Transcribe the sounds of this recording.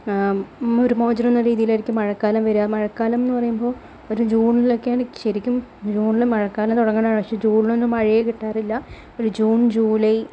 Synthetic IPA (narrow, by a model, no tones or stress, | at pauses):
oɾumoːd͡ʑɐɾmonːɐɾiːðijilɐɾikʲːɨmɐɻɐkːaːlɐmʋɐɾaːmɐɻɐkːaːlɐmenːɨpɐrɐjumbo̞ː | oɾud͡ʑuːɳilo̞kːeaːɳɕɐɾikʲːumd͡ʑuːɳilemɐɻɐkːaːlɐmt̪uɽɐŋːɐɳaːʋɐt͡ɕːɐd͡ʑuːɳilonːɨmɐɻijekiʈːaːrilːɐ | oɾud͡ʑuːɳd͡ʑuːlɐj